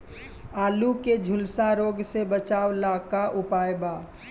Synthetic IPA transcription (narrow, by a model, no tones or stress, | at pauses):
aːluked͡ʒʱʊlsaɾoːɡsebət͡ʃaːwlaːkaʔʊpaːjbaː